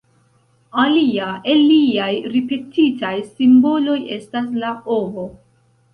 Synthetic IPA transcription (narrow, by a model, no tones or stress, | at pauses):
aliae̞liajɾipe̞titajsimbo̞lo̞je̞̰stas̬laovo̞